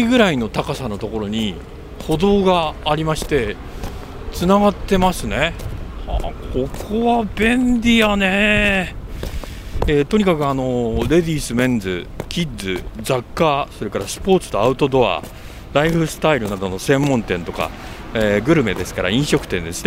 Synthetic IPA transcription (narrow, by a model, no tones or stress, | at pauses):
iɡɯ̟ɾaino̞t̪akasano̞t̪o̞ko̞ɾo̞ɲ̟i | ho̞d̪o̞ːɡaːɾʲimaɕi̥t̪e̞ | t͡sɨnaɡat̪ːe̞masɨne̞ha̰kʰo̞kʰo̞βabẽ̞nd̪ʲijane | et̪o̞ɲ̟ikakɯ̟ano̞ɾe̞d̪ʲiːsɨmẽ̞nd͡zɨ̰kʲid͡zɨd͡zakːaso̞ɾe̞kaɾasɨ̥po̞ːt͡sɨ̥t̪o̞aɯ̟t̪o̞d̪o̞a̰ | ɾaiɸɯ̟sɨ̥t̪aiɾɯ̟nad̪o̞no̞sẽ̞mːõ̞nt̪ẽ̞nt̪o̞ka̰ | eɡɯ̟ɾɯ̟me̞d̪e̞sɨ̥kaɾa̰ĩɰ̃ɕo̞kɯ̟̥t̪ẽ̞nd̪e̞sɨ̥ne